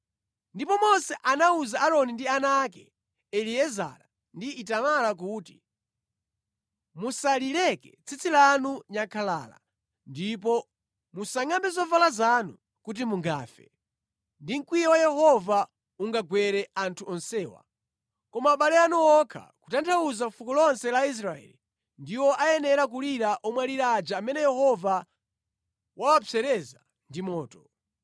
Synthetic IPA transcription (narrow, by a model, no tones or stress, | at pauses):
ndipɔmɔnsɛʔanauzaʔaɾɔnindianak̬ɛ | ɛliɛza̰ɾa | ndiːtamalak̬uːti | musalilɛkɛt͡sʰit͡sʰilanuɲakʰala̰ːla̰ | ndip̬ɔ | musaŋambɛzɔvalazanu | kut̬imuŋɡa̰ːfɛ̰ | ndiŋ̩kwijɛwajɛhɔva | uŋɡaɡwɛɾɛantʰuɔnsɛːwa̰ | kɔmaːɓalɛanuwɔkʰa̰ku̥tantʰawuzafukɔlɔnsɛlais̬ɾaɛ̰li | ndiwɔʔajɛnɛɾak̬uliɾaʔɔmwaɾiɾad͡ʒaːmɛnɛjɛhɔva | wawapɛɾɛza | ndimɔːtɔ